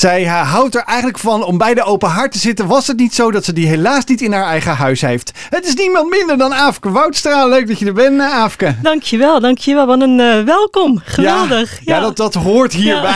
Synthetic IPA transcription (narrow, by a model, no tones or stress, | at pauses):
z̥ɛjɦɦʌwtəɹʔɛjχəntləkfɑnɔmbɛjdəowpəɦaːɹtəzɪtənʋɑsɦətnitsowdɑtsədiɦelaːsnitɪnɦaːɹɛjχəɦœɥsɦejft | ɦətɪsnimɑntmɪndəɹdɑnaːfkəʋɑwtstraːlløɥk̚dɑtədəɹbɛntaaːfkəd̥ɑŋkʰjəʋɛlˠdɑŋkʰjəʋɛlˠʋɑnənʋɛlˠkɔmχəjalˠdəχjaːdɑtdɑtɦʊːɹtɦiːɹbɛ